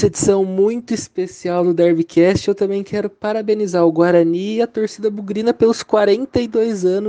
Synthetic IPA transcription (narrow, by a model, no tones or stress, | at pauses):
sed͡ʒisɐ̃w̃mũj̃t̪ʊispesiawd̪ʊd̪ɛɾvikʰɛst͡ʃɪewt̪ɐ̃mbẽj̃kʰɛɾʊpaɾabenizaɾʊɡwaɾɐniɐt̪oɾsid̪ɐbuɡɾĩnɐpelʊskwaɾẽnt̪ɐɪd̪ojzɐ̃nʊ